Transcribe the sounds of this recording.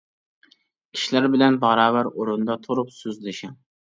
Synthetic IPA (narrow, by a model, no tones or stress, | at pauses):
kʲʰi̥ʃilæɾbɪlɛnbɑɾɑːbæɾoɾʊnd̪ɑt̪ʰʊɾʊpsøzlɪʃɪ